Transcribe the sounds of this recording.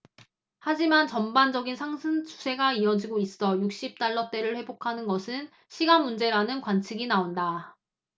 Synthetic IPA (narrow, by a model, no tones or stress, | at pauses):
had͡ʑimant͡ɕʌmband͡ʑʌɡinsʰaŋsʰɯnt͡ɕʰu̥sʰe̞ɡaiʌd͡ʑiɡois͈ʌjuk̚ɕ͈ip̚t͈aɭːʌt͈e̞ɾɯɭɸwe̞bokʰanɯnɡʌsʰɯn | ɕʰiɡanmund͡ʑe̞ɾanɯnkwant͡ɕʰiɡinaonda